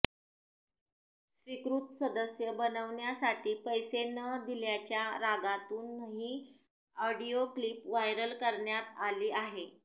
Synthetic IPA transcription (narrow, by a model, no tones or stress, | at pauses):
sʋikɾuːt̪səd̪əsjəbənəʋɳjasaʈʰiːpəjsenəd̪iljat͡ɕjaɾaɡat̪uːnːəɦiː | ɔɖioklipʋajɾəlkəɾɳjat̪aliːaɦe